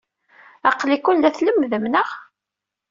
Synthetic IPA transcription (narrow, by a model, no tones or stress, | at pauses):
æqlikːʊnlæθləmːðəmnəʁ